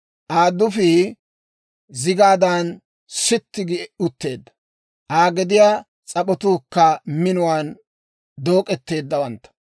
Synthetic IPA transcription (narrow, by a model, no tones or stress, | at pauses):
ʔaːd̪ːʊfɪ | zɪɡaːd̪an | sɪt̪ːɪɡɪʊt̪ːe̞ːd̪ːɐ̥ | ʔaːɡɛd̪ɪjaː | t͡sʼɐpɔt̪uːkːɐmɪnʊwaːn | d̪o̞ːkʼɛt̪ːe̞ːd̪ːɐwɐnt̪ːɐ̥